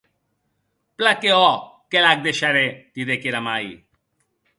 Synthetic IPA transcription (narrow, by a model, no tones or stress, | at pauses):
plakeɔkelaɡ̚d̪eʃaɾet̪id̪ekeɾamaḭ